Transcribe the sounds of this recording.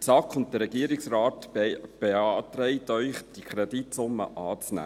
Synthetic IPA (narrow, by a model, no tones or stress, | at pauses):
sɑkχʊnt̚təɾɛɡ̥iəɾɪksrɑːtb̥eɑːtɾɛɪtœʏχd̥ikʰɾɛditsʊmːə̰ʔɑːt͡snæ̰ː